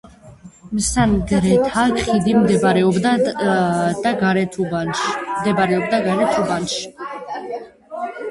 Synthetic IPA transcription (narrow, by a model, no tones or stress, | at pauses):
msanɡɾɛt̪ʰakχid̪imd̪ɾɛɔbd̪ | d̪̥aɡaɾɛt̪ʰ | md̪ɛbaɾɛɔb̚d̪aɡaɾɛt̪ʰubanʃi̥